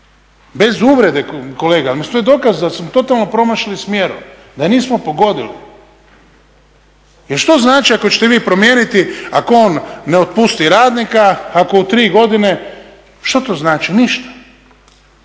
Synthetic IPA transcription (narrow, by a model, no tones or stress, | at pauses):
be̞zuːʋɾe̞d̪eko̞le̞ːɡalmist̪oed̪o̞ːkazd̪asmot̪o̞t̪alˠno̞pɾo̞maʃlismjeɾṵ | d̪aniːsmopo̞ɡo̞d̪ilḭ | jeɾʃt̪o̞znaːt͡ʃiako̞t͡ɕet̪eʋiːpɾo̞mje̞ːnit̪iakoonːeot̪̚pust̪iɾaːd̪nikaːko̞ut̪ɾiːɡo̞d̪ine̞ | ʃt̪ot̪oːznaːt͡ʃiniʃt̪ḁ